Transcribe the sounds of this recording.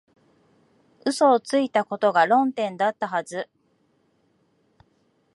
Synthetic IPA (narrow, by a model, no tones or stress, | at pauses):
ɯ̟so̞ːt͡sɨit̪ako̞t̪o̞ɡaɾõ̞nt̪ẽ̞nd̪at̪ːaɦazɨ